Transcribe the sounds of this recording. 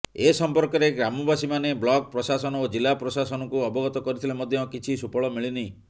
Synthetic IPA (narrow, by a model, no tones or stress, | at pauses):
esɔmpɔɾkɔɾeɡɾamɔbasimaneblɔk̚pɾɔsasɔnɔod͡ʒilːapɾɔsasɔnɔkuɔbɔɡɔt̪ɔkɔɾit̪ʰilemɔd̪ʱjɔkit͡ʃʰisupɔɭɔmiɭinij